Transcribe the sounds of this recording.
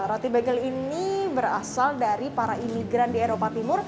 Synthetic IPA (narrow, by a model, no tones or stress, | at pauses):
ɾat̪ibɛɡɛlinibəɾa̰saldaɾipaɾaimiɡɾandieɾopat̪imʊr